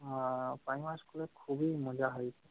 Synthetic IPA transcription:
pajmaskulɛkʰubimɔd͡ʒaɦɔjsʰɛ

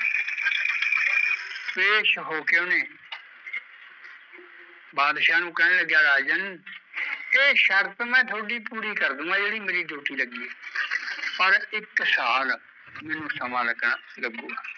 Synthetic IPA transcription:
peːʃɦoːkɪoːneː | baːd̪ʃãːnũːkɛːneːləɡjaːɾaːd͡ʒən | eːʃəɾt̪mɛ̃ːt̪ʰoːɖiːpuːɾiːkəɾd̪əŋɡãːd͡ʒeːɽiːməɾiːd̪oːʈiːləɡiːeː | pəɾɪksaːl | mɛ̃ːnũːsəmãːləɡnaːləɡõːɡaː

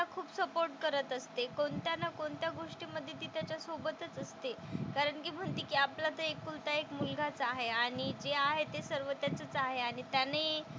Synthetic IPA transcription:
akʰuːpsəpoɾʈkəɾət̪əst̪ekoɳt̪janakoɳt̪jaɡoʂʈiməd̪ʱːjet̪ːit̪jat͡ɕjasobət̪ət͡səst̪ekaɾəɳkiːm̤əɳt̪iːkiːaplat̪əekːult̪aekmulɡʱat͡saɦeaɽ̃id͡zeaɦet̪esəɾʋət̪jat͡sət͡saɦeaɽ̃it̪jane

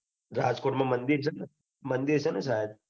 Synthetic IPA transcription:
ɾaːd͡ʒkoːʈmãmənd̪iɾsʰɐna | mənd̪iɾsənasaɦed̪̚

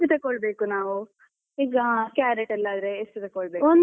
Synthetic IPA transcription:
it̪ekɔɭbe̞ːkunaːʋu | iːɡɐakaːɾeʈɛlːaːd̪ɾeːst̪it̪ekɔɭbekon

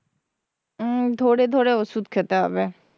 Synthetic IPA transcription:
t̪ʰoːɽet̪ʰoːɽeʋəsuːt̪kʰet̪abɛ

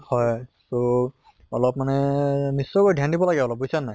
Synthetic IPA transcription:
hɔjso | ɔlɔpmanɛnisːɔkɔjdʱjandibɔlaɡɛɔlɔp̚bujsanːaj

